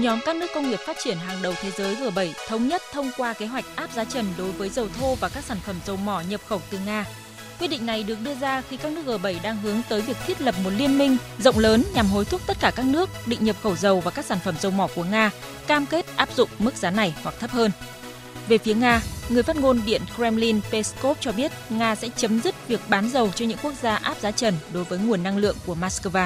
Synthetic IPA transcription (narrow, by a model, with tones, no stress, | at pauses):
ɲɔ˨˦mkaː˦˥k̚nɨ˦˥əkːə˧wŋ͡mŋi˨˩əp̚faː˦˥t̚t͡ɕi˧˩ənɦaː˨˩ŋɗə˨˩wt̪ʰe˨˦zəː˨˦jɣəː˨˩ɓə˧˩jt̪ʰə˨˧wŋ͡mɲə˦˥t̚t̪ʰə˧wŋ͡mkwaː˧ke˨˦ɦwa˨˩jk̟̚ʔaː˦˥p̚zaː˨˧˦t͡ɕə˨˩nɗo˨˦jvəː˨˦jzə˨˩wt̪ʰo˧vaː˨˩kaː˦˥k̚saː˧˩nfə˧˩mzə˨˩wmɔ˧˩ɲə˨˩p̚xə˧˩wt̪ɨ˨˩ŋaː˧ | kwi˧əɗḭ˧˨ŋ̟na˨˩jɗɨ˨˩ək̚ɗɨ˧əzaː˧xi˧kaː˦˥k̚nɨ˦˥ək̚ɣəː˨˩ɓə˧˩jɗaː˧ŋɦɨ˨˦əŋt̪əː˨˦jvi˨˩ək̚t̪ʰi˦˥ət̚lə˨˩p̚mo˨˩t̚li˧ənmï˧ŋ̟zə̰˧˨wŋ͡mləː˨˦nɲa˨˩mɦo˨˦jt̪ʰu˦˥k̚t̪t̚kaː˧˩kaː˦˥k̚nɨ˦˥ək̚ɗḭ̈˧˨ŋ̟ɲə˨˩p̚xə˧˩wzə˨˩wvaː˨˩kaː˦˥k̚saː˧˩nfə˧˩mzə˨˩wmɔ˧˩ku˧˩əŋaː˧ | kaː˧mke˦˥t̚ʔaː˦˥p̚zʊ̰˧˨ŋ͡mmɨ˦˥k̚zaː˨˦na˨˩jhwa˨˩k̚t̪ʰə˦˥p̚həː˧n | ve˨˩fi˨˦əŋaː˧ŋɨ˨˩əjfaː˦˥t̚ŋo˧nɓḭ˧˨ənkɾɛ˧mli˧npe˧sko˦˥p̚t͡ɕɔ˧ɓi˦˥ət̚ŋaː˧sɛ̰˧˥t͡ɕə˨˦mzi˦˥t̚vi˨˩ək̚ɓaː˨˦nzə˨˩wt͡ɕɔ˧ɲɨ̰˧˥ŋku˦˥ək̚zaː˧ʔaː˦˥p̚zaː˨˦t͡ɕə˧˩nɗo˨˦jvəː˨˦jŋu˨˩ənːa˧ŋlɨ̰˧˨əŋku˧˩əmaː˦˥skəː˧vaː˧